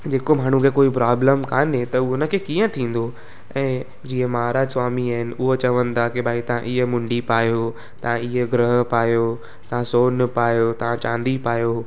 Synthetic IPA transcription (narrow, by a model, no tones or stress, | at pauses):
d͡ʑeːkom̤aːɳ̤ũkʰekoːipɾaːbləmkaːnet̪ɐʊɦənə̆kʰeːkiːə̃t̪ʰĩːn̆d̪o | ɛ̃ː | d͡ʑiːə̃mɐɦaːɾaːd͡ʑsʋaːmiaːɦɪnɪ̆ʊɦot͡ɕɐʋə̃nd̪akibaːit̪ɐʋ̤ãʔɪɦəmʊ̃ɳɖipaːjo | t̪ɐʋ̤ãiɦeɡɾəɦəpaːjo | t̪ɐʋ̤ãsoːnpaːjot̪ɐʋ̤ãt͡ɕãːnd̪ipaːjo